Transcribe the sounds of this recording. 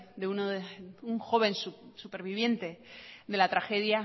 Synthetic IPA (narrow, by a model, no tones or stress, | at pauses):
d̪eunoðuŋxo̞β̞e̞nsusupe̞ɾβiβ̞je̞nt̪e̞ðe̞lat̪ɾaxe̞ðja